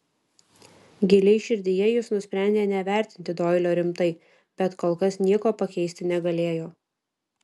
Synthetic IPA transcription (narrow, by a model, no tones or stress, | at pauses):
ɡʲɪlʲɛɪʃʲɪɾʲd̪ʲɪjɛjɪsnʊsʲpʲɾʲæˑnʲd̪ʲeːnʲɛʋʲæˑɾʲt̪ʲɪnʲt̪ʲɪd̪oːɪlʲoːɾʲɪmt̪ɐɪ | b̥ʲɛt̪koːlˠkɐsnʲiɛkoːpɐkʲɛɪsʲt̪ʲɪnʲɛɡɐlʲeːjoː